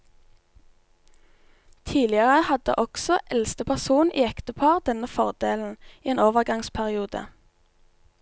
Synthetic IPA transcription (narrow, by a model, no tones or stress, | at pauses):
t̪ʰiːlɪəʁəhɑd̪ə̰ʔɔksɔʔɛlst̪əpʰæʁsuːniːɛkt̪əpʰɑːʁd̪ɛnəfɔʁd̪eːln̩iːeːnoːʋəʁɡɑŋspʰæʁɪuːd̪ə̰